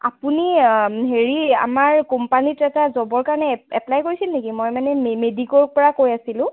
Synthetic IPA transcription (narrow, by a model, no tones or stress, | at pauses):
apuniɦeɹia̰maɹkɔmpanitɛtazɔbɔɹkaɹɔnɛɛplajkoɹisilnekimojmanɛmemedikɔɹpɔɹakojasilʊ̃